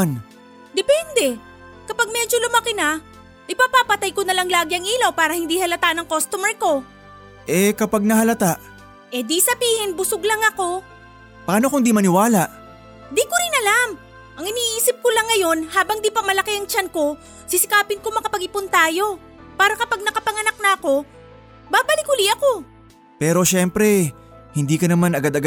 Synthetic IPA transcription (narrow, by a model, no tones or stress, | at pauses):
n | d̪ɛpɛnd̪ɛ | kɐpaɡ̚mɛd͡ʒo̞lʊmɐkɪna | ʔɪpapapɐt̪ajkonɐlɐŋlaːɡɪɐŋiːlɐwpaːɾɐhɪnd̪ihɐlɐt̪aʔnɐŋkost̪omɛɹko̞ | ʔɛkɐpaɡ̚nɐɦɐlɐt̪aʔ | ʔɛd̪isɐbiːhɪnbʊsoɡlɐŋɐko̞ | pɐaːnokoŋnd̪imɐnɪwaːlaʔ | d̪ikoɾɪnɐlam | ʔɐŋɪniːʔiːsɪp̚kolɐŋːɐjo̞nhaːbɐŋd̪ipɐmɐlɐkeɐŋt͡ʃanko̞ | sɪsɪkaːpɪnko̞mɐkɐpɐɡɪpʊnt̪aːjo̞ | paːɾɐkɐpaɡ̚nɐkɐpɐŋɐnak̚nɐɐko̞ | baːbɐlɪkʊliɐko̞ | pɛːɾo̞ʃɛmpɾɛ | hɪnd̪iːkɐnɐmanɐɡad̪ɐɡa